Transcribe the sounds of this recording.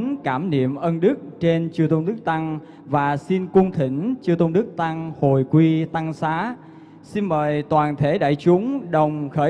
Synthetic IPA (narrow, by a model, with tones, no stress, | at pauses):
nkaː˧˩mnḭ˧˨əmʔə˧nɗɨ˦˥k̚t͡ɕe˧nt͡ɕɨ˧ət̪ə˧wŋ͡mɗɨ˦˥k̚t̪a˧ŋ | vaː˨˩si˧nkʊ˧ŋ͡mt̪ʰï˧˩ŋ̟t͡ɕɨ˧ət̪ə˧wŋ͡mɗɨ˦˥k̚t̪a˧ŋho˨˩jkwi˧t̪a˧ŋsaː˨˦ | si˧nməː˨˩jt̪waː˨˩nt̪ʰe˧˩˦ɗa̰ː˧˨jt͡ɕʊ˨˦ŋ͡mɗə˨˩wŋ͡mxəː˧˩˦